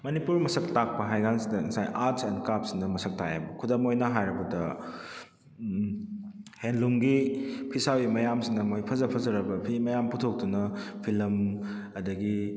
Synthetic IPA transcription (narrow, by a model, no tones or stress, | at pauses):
mɐnipuɾmɐsɐk̚tak̚pɐɦajɡansidɐnisajʔaɾsendkap̚sindɐmɐsɐk̚taja̰bɐkʰudɐmojnɐɦajɾɐbɐdɐ | henluŋɡipʰisawimɐjamsindɐmojpʰɐzɐpʰɐzɐɾɐbɐpʰimɐjamputʰok̚dunɐpʰilɐmɐdɐɡi